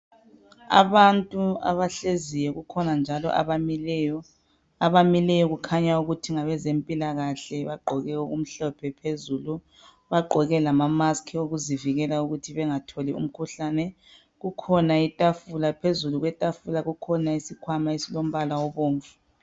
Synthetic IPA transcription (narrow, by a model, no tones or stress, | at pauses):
a̰βantʼua̰βaɬezijɛɣukʰɔnand͡ʒʱalɔ̰ʔa̰βamiljɔ | aβamilɛjɔɣukʰaɲauɣutʰiŋaβɛzempʼilaɣaɬɛβaɡ͡ǃʱɔɣɛoɣum̩ɬɔpʰɛpʰezuːlu | βaɡ͡ǃʱɔɣɛlamamaskʰioɣuziviɣɛlauɣutʰiβɛŋatʰɔliṵm̩kʰuɬanɛ | ɣukʰɔnaitʼafulapʰezuluɣwɛtʼafulaɣukʰɔnaisikʰwamaisilom̩βalawɔβoːɱfu̥